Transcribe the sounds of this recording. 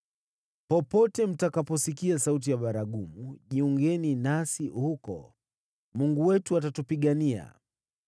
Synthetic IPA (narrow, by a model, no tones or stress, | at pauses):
pɔpɔtɛm̩takapɔsikiasaut̬ijaɓaɾaɠumuʄiuŋɡɛninasihukɔ̰ | muŋɡuwɛtuatatupiɠania̰